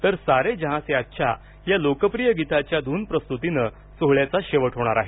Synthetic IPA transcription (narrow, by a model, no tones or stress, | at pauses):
t̪əɾsaɾed͡ʑəɦãseatːɕʰa̰ | jalokəpɾijəɡit̪at͡ɕjad̪ʱuːnpɾəst̪ut̪inə | soɦɭjat͡saɕeʋəʈʰɦoɽ̃aɾaɦe